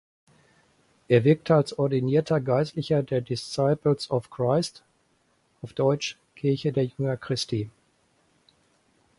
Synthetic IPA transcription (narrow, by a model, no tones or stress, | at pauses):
ʔeːɐvɪɐk̚tʰəalsʔɔɐdiniːɐtʰɐɡaɪstlɪçɐdeːɐdɪsaɪpl̩sɔfkʁ̥aɪst | ʔaɔʊfd̥ɔʏt͡ʃ | kʰɪɐçədeːɐjʏŋɐkʁ̥ɪsti